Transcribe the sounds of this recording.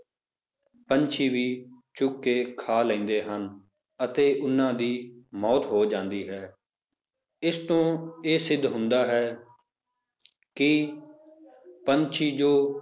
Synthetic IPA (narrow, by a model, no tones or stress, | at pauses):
pənt͡ʃʰiːʋiː | t͡ʃʊkːeːkʰaːlɛ̃ːnd̪eːɦən | ət̪eːʔʊnːãːd̪iːmɔːt̪ɦoːd͡ʒãːnd̪iːɦɛː | ɪst̪õːeːsɪd̪ʱɦʊnd̪aːɦɛː | kɪ | pəɲt͡ʃʰiːd͡ʒoː